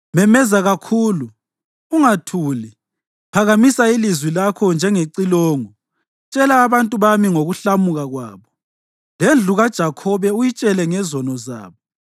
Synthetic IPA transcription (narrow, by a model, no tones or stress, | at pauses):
mɛmɛzaɣakʰuːlu | uŋatʰuːli | pʰaɣamisailizwilakʰɔnd͡ʒʱɛŋeǀilɔːŋɔ | t͡ʃʼɛlaːβantʼuβamiŋoɣuɬamuɣaɣwa̰ːβɔ | lend͡ɮʱuɣad̥ʒ̥ʱakʰɔβɛujit͡ʃʼɛlɛŋɛzɔnɔza̰ːβɔ